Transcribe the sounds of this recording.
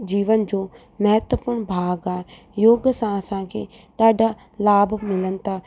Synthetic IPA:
d͡ʒiːʋənd͡ʒoː | mɐɦət̪wəpʊɾɳbʱaːɡaːe | joːɡsãɐsãkʰḛ | ɗ̪aːɖʱa | laːbmɪlən̆t̪aː

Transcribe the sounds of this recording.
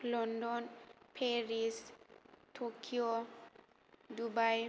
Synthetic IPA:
lɔndɔnpʰeɹistʰokʰio | dubaj

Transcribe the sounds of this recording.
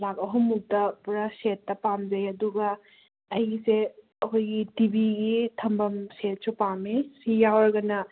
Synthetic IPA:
lakɐɦumːuk̚tɐpuɾɐsetːɐpamd͡ʒɐjɐduɡɐː | jse | ɐkojɡitibiɡitʰɐmbɐmset̚supamesijawɐɾɡɐnɐ

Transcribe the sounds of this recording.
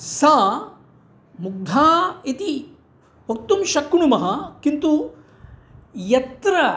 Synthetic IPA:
sa | muɡ̚d̪ʱaːit̪i | ʋɐk̚t̪umʃɐkːɳumɐɦɐkint̪u | jɐt̪ɾɐ

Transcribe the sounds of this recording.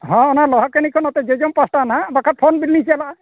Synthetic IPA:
ɦɔ̃ɔnalɔɦɔkenikʰɔnɔt̪ɛzezɔmpasʈanabakʰat̚pʰɔnbilinisɛla

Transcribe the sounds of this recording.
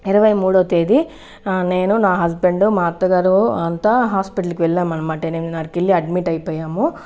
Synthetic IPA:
iɾɐʋɐjmuːɽoːt̪eːd̪i | neːnunaːɦɐsbeɳɖumaːt̪ɐɡɐɾuɐnt̪ɐɦaːspiʈɐlikʋɛlːaːmɐnɐmaːʈenennaːɾkilːiɐɖmiʈɐjpɐːjaːmu

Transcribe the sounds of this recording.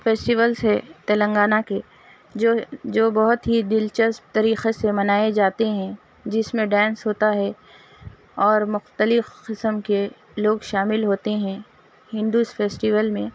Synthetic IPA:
feːsʈiʋəlsɦɛt̪ɛːlə̃ŋɡaːnake | od͡ʒoːbɐɦʊt̪ɦid̪ɪlt͡ʃəstt̪ɐɾiːxesemɐnaːed͡ʒaːt̪eɦɛ̃ | d͡ʒɪsmẽɖɛ̃ːnsɦoːt̪aɦɛ | ɔːɾmʊxt̪əlɪfqɪsəmke | loːɡʃaːmɪlɦoːt̪eɦɛ̃ | hɪ̃nd̪usfeːsʈiʋəlmẽ

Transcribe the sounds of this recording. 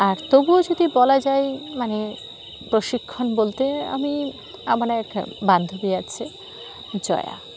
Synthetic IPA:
aɾt̪obuod͡ʑod̪ibɔlad͡ʑajmane | pɾoʃikʰːonbolt̪ea̰mi | amaɾɛkband̪ʱobiat͡ɕʰe | d͡ʑɔ̰ea̰

